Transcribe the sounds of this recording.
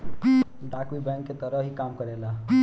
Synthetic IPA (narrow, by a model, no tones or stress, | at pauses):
ɖakwibɛ̃ŋkːet̪ʌɾʌɦikamkʌɾela